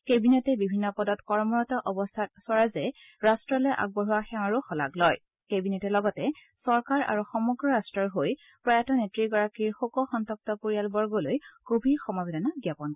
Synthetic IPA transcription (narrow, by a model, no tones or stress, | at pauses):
kebinɛtɛbibʱinːɔpɔdɔtkɔɹmɔɹɔtɔʔɔbɔstʰat̚sɔɹazɛ | ɹastɹɔlejʔa̰ɡ̚bɔɹuwaxɛ̃aɹuxɔla̰ɡlɔj | kebinɛtɛlɔɡɔtɛ | sɔɹkaɹa̰ɹuxɔmɔɡɹɔɹastɹɔɹɦoj | pɹajatɔnetɹiɡɔɹakiɹxokɔxɔntɔk̚tɔpoɹijalbɔɹɡɔlojkobʱiɹxɔmabɛdanaɡjapɔnk